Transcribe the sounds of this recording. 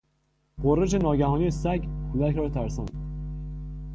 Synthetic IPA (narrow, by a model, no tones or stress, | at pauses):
ɢoɾːed͡ʒenɒːɟæhɒːnijesæɡælækʰɾɒːt̪ʰæɾsɒːnd̪